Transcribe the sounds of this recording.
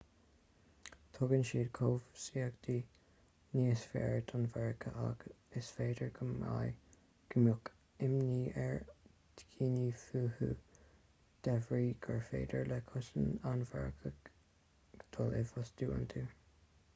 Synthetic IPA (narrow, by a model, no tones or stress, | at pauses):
t̪ʰʊɡənʃiːd̪kʰoːvsiːəɡd̪̥iː | niːsfɛ̰ːɹd̪ʊnvɛɹkʰəʔa̰ɡ̥ | ɪsfeːd̪əɹɡəma̰j | ɡ̥əmʊk | ɪmniːʔɛɹ | d̪̥ɡʰiːniːfuːhṵː | d̪̥ɛvɹiːɡ̥əɹfḛːdə̰ɹlɛkʰʊsənanvɛ̰ɹkʰəɡ | d̪̥ɔlɪvɔsd̪̥uːə̰nt̪ʰuː